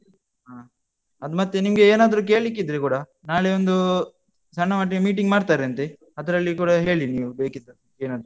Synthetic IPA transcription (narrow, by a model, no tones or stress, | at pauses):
ɦaː | ɐd̪umɐt̪ːenimɡeeːnaːd̪ɾuk̬e̞ːɭik̬ːid̪ːɾekuːɽɐ | naːɭeond̪u | sɐɳːɐmaːʈ̬ːiemiːʈ̬iŋɡmaːɽt̪aːɾeɐnt̪e | ɐd̪ɐɾɐɭːikuːɽɐɦe̞ːɭiniːʋube̞ːkid̪ːɐɐeːnaːd̪ɾu